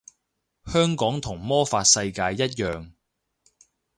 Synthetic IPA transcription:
hœː˥ŋkɔː˨˥ŋt̪ʰʊ˨˩ŋmɔː˥faː˧t̚sɐ˧jkaː˧jːɐ˥t̚jœː˨ŋ

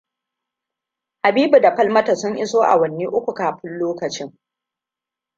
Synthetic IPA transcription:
ha˨biː˦bu˨da˨ɸɐ˦lmɐ˦ta˨sʊ˦ŋʔɪ˦soː˦ʔa̰˨wɐ˨nːiː˦ʔʊ˦kʷu˨kaː˨ɸɪ˦nloː˦kɐ˨t͡ʃɪ˦ŋ

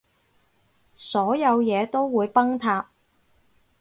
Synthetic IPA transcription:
sɔː˨˥jɐ˨˧wjɛː˨˧t̪o˥wwːuː˨˧jpɐ˥ŋt̪ʰaː˧p̚

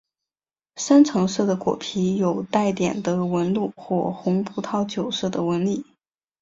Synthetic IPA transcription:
ʂa˥nt͡sʰɤ˧˥ŋʂɤ˥˩d̪ə˩kwɔ̰˨˩pʰi˧˥jo˨˩ʊt̪a˥˩ɪt̪jɛ˨˩nd̪ə˦wə˧˥nlu˥˧˩xwɔ˥˩xʊ˧˥ŋpʰu˧˥t̪ʰɑ˥˩ʊt͡ɕjo˨˩ʊʂɤ˥˩d̪ə˩wə˧˥nli˥˩

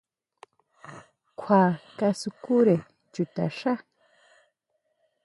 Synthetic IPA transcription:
kʷʰwa˨ka˦su˨ku˦ɾe˨ | t͡ʃu˨t̪a̰˨ʂa˦

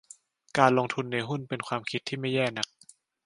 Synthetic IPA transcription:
kaː˧nloː˧ŋt̪ʰu˧nːa˧jɦu˥˩npe˧nkʰwaː˧mkʰi˦t̪ʰːiː˥˩ma˥˩jːɛː˥˩na˦˥k̚

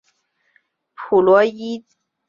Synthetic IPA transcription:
pʰu˨lwɔ˦ji˦

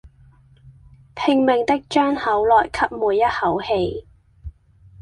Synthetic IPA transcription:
t̪ʰɪ˧ŋmɪ˨ŋt̪ɪ˥k̚t͡ʃœː˥ŋhɐ˨˥wlɔː˨˩jkʰɐ˥p̚muː˨˩jjɐ˥t̚hɐ˨˥whe˧j

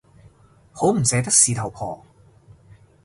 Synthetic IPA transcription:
ho˨˥wm̩˨˩sɛː˨˥t̪ɐ˥k̚siː˨t̪ʰɐ˨˩wpʰɔ̰ː˨˩

